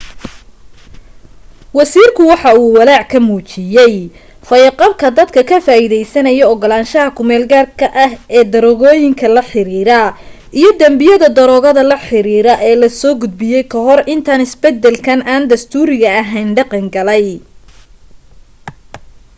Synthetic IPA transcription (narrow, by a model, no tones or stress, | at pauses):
wɑsiːrkʰʊwɑħɑuːwɑlaːʕkʰɐmuːt͡ʃɪjɛj | fɐjɐqɑbkʰɐd̪ɐd̪kʰɐkʰɐfaːiðɛjsɐnɐjɔɔɡɔlaːnʃɐɦɐkʰʊmɛːlɡaːrkʰɐʔɐhɛːd̪ɐɾɔɣɔːjɪŋkʰɐlɐħɪɾiːɾɐʔijɞd̪ɐmbɪjɐðɐd̪ɐɾɔːɣɐðɐlɐħɪɾiːɾɐʔɛːlɐsɔːɡʊd̪̚bɪjɛjkʰɐɦɔrɪnt̪ʰaːnɪsbɛd̪ːɛlkʰɐnaːnd̪ɐst̪ʰuːɾɪɣɐːɦɛjnɖɑqɑŋɡɐlɛj